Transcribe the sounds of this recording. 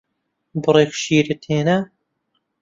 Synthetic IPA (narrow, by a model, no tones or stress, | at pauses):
bɨɾˤekʃiːɾɨt̪ʰeːna